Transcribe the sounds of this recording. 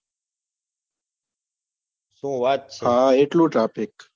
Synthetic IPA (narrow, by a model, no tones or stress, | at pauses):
sũːwaːt̪̚t͡ʃʰɦaːeːʈloːʈaːpɪk